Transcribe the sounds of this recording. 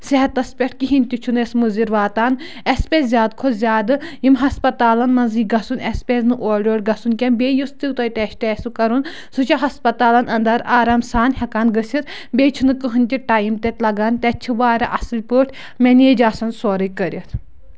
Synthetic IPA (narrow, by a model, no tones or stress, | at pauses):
sɛɦɐt̪ːɐspʲɛʈ̚ʰkiɦinʲt̪ʲit͡ʃʰunesmɨziɾʋaːt̪aːn | ɛspʲɛzjaːd̪kʰozʲaːd̪ɨjimɦɐspɐt̪aːlɐnmɐnziːɡɐsunʲɛspʲɛːznɨʔoːɖʲoːɽʲɡɐsunkʲɐnbʲeːjust̪ɨːt̪ɐjt̪ɛʃʈɛːsɨkɐɾun | sut͡ʃʰɐɦɐspɐt̪aːlɐnɐnd̪ɐɾaːɾɐmsaːnhʲɐkaːnɡəsʲiɾ | bʲeːt͡ʃʰunɨkɨɦɨnʲt̪ʲiʈaːjimt̪ɛt̪ʲlɐɡaːnt̪ɛt͡ʃʰiʋaːɾɐ̰ʔɐsɨlʲpəːʈʰʲ | mʲɛneːd͡ʒaːsɐnsoːɾɐkəɾʲɐt̪